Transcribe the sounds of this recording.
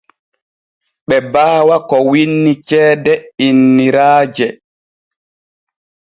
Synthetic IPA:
ɓɛbaːwakɔwinːit͡ʃɛːdɛinːiɾaːd͡ʒɛ

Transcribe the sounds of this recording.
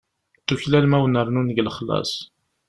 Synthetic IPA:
t̪ːuçlælmæwnəɾˤnunɡlχlɑ̰sˤ

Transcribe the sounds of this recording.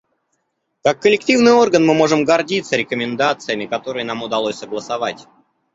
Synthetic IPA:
kakːəlʲɪktʲivnɨjo̞rɡənmɨmo̞ʐɨmɡɐrdʲit̪səɾʲɪkəmʲɪnd̪at̪sɨjəmʲɪkɐt̪o̞ɾɨjənamʊd̪ɐlˠosʲsəɡlˠəsɐvatʲ

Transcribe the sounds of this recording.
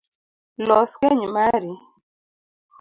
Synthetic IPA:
lɔskɛɲmaɾi

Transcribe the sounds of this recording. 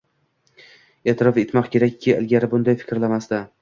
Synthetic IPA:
et̪ʰɪɾɒfet̪mɒqkʲʰe̞ɾakʲʰːɪɪ̰lɡʲaɾɪbʊnd̪ajfɪ̥kʲɾlamast̪a

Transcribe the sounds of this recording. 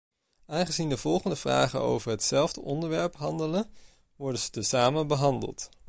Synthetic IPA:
aːnχəzindəv̥ɔlˠχəndəvra̰ːχə̰no̰wvəɹɦətsɛlˠvdəʔɔndəɹʋɛɹpɦɑndələn | ʋɔɹdəzətəsaːmənbəɦɑndə̰lˠt

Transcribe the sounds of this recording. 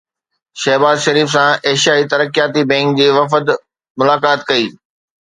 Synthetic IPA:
ʃɐɦbaːzʃɐɾiːfsãeːʃjaːit̪ɐɾəkjaːt̪ibɛ̃ːŋk̚d͡ʑeːʋɐfəd̪ | mʊlaːkaːt̪kɐiː

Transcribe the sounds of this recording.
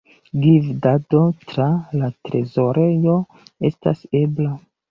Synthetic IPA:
ɡivdado̞tɾalatɾe̞zo̞ɾe̞jo̞ | e̞sta̰sebla

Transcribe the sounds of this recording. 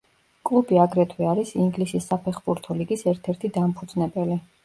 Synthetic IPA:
kʼlˠubiaɡɾɛt̪ʰwɛaɾisiŋɡlisisːapʰɛχbuɾt̪ʰɔliɡisɛɾt̪ʰɛɾt̪ʰid̪ampʰud̪znɛbɛli

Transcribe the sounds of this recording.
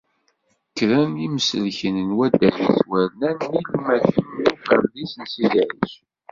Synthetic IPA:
kːɾæniməsəlçənənwæd̪æliswæɾnænːilmæθənufəɾlisənsiðʕḭs

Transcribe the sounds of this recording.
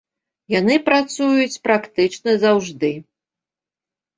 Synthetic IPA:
janɨpɾat̪sujut͡sʲpɾakt̪ɨt͡ʂnɐzawʐd̪ɨ

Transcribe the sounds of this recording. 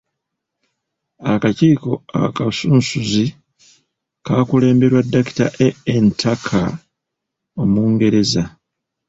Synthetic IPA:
akaciːko̞a̰kasuːnsuzi | kaːkule̞ːmbe̞ɾwadːaki̥taʔeːntʰakʰa̰ | o̞muːŋɡe̞ɾe̞za

